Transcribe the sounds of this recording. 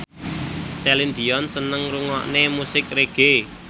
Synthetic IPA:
sɛlind̪iɔnsənəŋɾuŋɔ̰ʔnemusɪk̚reɡ̥e

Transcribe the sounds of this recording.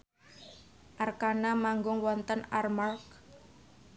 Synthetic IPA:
ʔarkanamaŋɡʊŋwɔnt̪ənarmark

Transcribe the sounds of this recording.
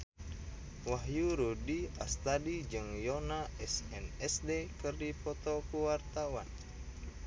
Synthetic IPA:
waɦjuɾudiast̪adid͡ʒɨŋjɔnaʔɛsɛnɛsdekɨrdipɔt̪ɔkuwart̪awan

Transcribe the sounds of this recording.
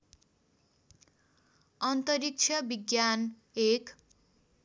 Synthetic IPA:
ʌnt̪ʌɾik̚t͡sʰʌbiɡjan | ek

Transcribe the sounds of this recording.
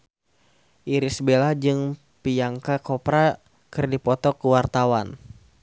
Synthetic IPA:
ʔiɾisbelahd͡ʒɨŋ | piaŋkakɔpɾa | kɨrdipɔt̪ɔkəwart̪awan

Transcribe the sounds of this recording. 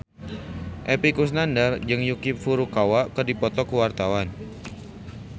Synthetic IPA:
ʔɛpikus̬nandard͡ʒɨŋjukɪp̚fuɾukawakərdipɔt̪ɔkuwart̪awan

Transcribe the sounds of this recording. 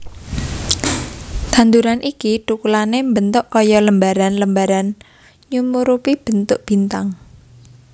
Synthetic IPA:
t̪a̤nd̪uɾanʔikiʈukulanembənt̪ʊʔkɔjɔləmbaɾanləmbaɾan | ɲumuɾupib̥ə̤nt̪ʊʔb̥i̤nt̪aŋ

